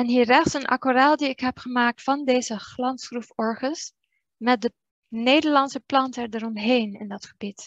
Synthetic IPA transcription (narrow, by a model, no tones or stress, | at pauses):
ɛnɦiːrɛχtsənʔɑ̰koraːlˠdiɪkɦɛpχəmaːk̚tfɑndejzəχlɑnsχrufɔɹχəs | mɛt̚də | nejdəɹlɑnsəplɑntəɛɹdəɹɔmɦejnɪ̰ndɑtχəbit